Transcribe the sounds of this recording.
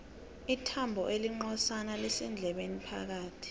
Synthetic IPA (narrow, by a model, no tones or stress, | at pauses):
itʰambʱɔ̰ʔeliŋ͡ǃɔsanalɛsɛnd͡ɮʱɛɓenipʰa̰k̬aːtʰi̥